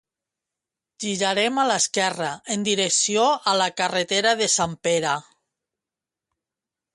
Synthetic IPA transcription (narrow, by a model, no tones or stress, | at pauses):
ʒiʒaɾemalaskɛraend̪iɾeksioalakaret̪eɾaðesampeɾa